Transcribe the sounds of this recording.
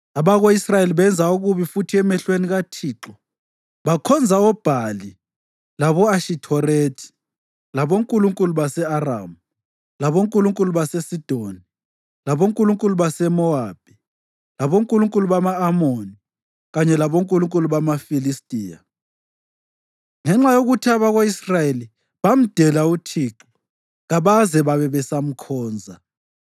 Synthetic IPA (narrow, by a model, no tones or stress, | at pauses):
aβaɣoisrajeliβɛnd͡zʱauɣuβifutʰiɛmɛɬweniɣatʰiːǁɔ | βakʰɔnd͡zʱaɔb̥ʱali | laβɔaʃitʰɔretʰi̥ | laβoŋkʼuluŋkʼuluβasɛara̰muu | laβoŋkʼuluŋkʼuluβasesid̥ʱoni | laβoŋkʼuluŋkʼuluβasɛmɔab̥̚ʱi | laβoŋkʼuluŋkʼuluβamaːmoni | ɣaɲɛlaβoŋkʼuluŋkʼuluβamafilistʼiːja̰ | ŋɛŋ͡ǁajoɣutʰaβaɣaisrajeli | βam̩d̥ʱɛlautʰiːǁɔ | ɣaβazɛβaβɛβɛsam̩kʰɔːnd͡zʱa